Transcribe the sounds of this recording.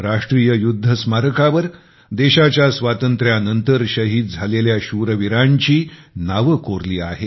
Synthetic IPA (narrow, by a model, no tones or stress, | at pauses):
ɾaʂʈɾijəjud̪ʱːəsmaɾəkaʋəɾ | d̪eɕat͡ɕjasʋat̪ənt̪ɾjanənt̪əɾɕəɦiːt̪̚d͡zʱaleljaɕuɾəʋiɾaɲt͡ɕiːnaʋəkoɾliːaɦe